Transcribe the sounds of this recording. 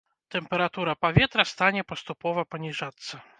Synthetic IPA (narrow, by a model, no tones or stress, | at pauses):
t̪ɛmpɛɾat̪uɾɐpavʲɛt̪ɾɐst̪anʲɛpɐst̪upɔvɐpɐnʲiʐat̪sːɐ